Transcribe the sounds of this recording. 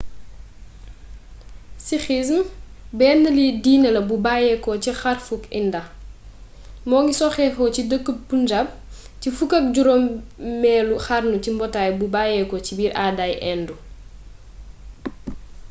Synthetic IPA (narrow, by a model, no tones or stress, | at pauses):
sixis̬mbɛːndɐlidiːnɐlɐbubajɛkɔcixarfukindɐ | mɔːŋɡisɔxɛxɔcidəkːəbund͡ʒɐp̚ | cifukɐk̚ɟuɾɔmmɛːluxarnucimbɔtaːjbubajɛkɔt͡ʃibiːɾʔadajʔɛndu